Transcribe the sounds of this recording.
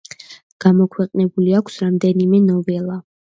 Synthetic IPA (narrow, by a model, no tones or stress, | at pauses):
ɡ̥amɔkʰwɛqʼnɛbuliakʷʰsɾamd̪ɛnimɛnɔvɛlˠa